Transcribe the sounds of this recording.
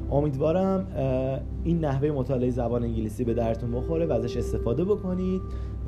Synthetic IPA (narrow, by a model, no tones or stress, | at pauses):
ʔo̞miːd̪vɒːɾæm | iːnːæhve̞je̞mot̪ʰɒːleejezæbɒːneiɲɟiliːsiːbe̞d̪æɾd̪et̪ʰunbo̞xo̞ɾevææzæʃe̞st̪e̞fɒːd̪e̞bo̞kʰo̞nid̪̚